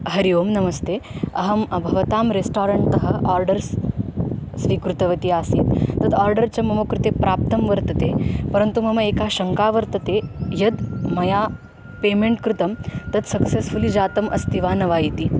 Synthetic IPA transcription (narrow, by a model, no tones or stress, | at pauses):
ɦɐɾijoːmnɐmɐst̪eːɐɦɐmɐbʱɐʋɐt̪aːmɾesʈaːɾɐɳʈt̪ɐɦɐʔaːɾɖɐɾs | sʋiːkɾut̪ɐʋɐt̪iaːsiːt̪ːɐd̪aːɾɖɐɾt͡ɕɐmɐmɐkɾut̪eːpɾʔaːp̚t̪ɐmʋɐɾt̪ɐt̪eːpɐɾənt̪umɐmɐeːkaɕɐŋkaːʋɐɾt̪ɐt̪ejɐd̪mɐjaː | peːmeɳʈkɾut̪ɐmt̪ɐd̪sɐksesfulid͡ʑaːt̪ɐmʔɐ̰st̪ʰiʋaːnɐʋaːjit̪i